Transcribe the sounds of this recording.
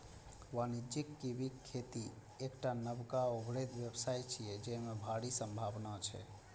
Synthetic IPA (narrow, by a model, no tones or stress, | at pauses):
wanid͡ʒikːibikʰːet̪i | ekʈanəbkaoɡɾet̪ʋjəbsajt͡ʃʰijɛd͡ʒɛmebʱaɽisəmbʱabnat͡ʃʰɛ̰